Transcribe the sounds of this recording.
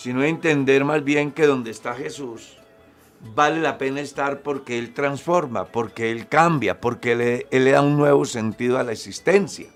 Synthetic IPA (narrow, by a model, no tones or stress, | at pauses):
sinoent̪e̞nd̪e̞ɾmazbje̞ŋke̞ðo̞nd̪e̞ːst̪axe̞sus | bale̞lape̞naest̪aɾpo̞ɾke̞elt̪ɾansfo̞ɾma̰po̞ɾke̞elkambja̰po̞ɾkeleelːeðaunːwe̞βo̞se̞nt̪iðoalaeksist̪e̞nsja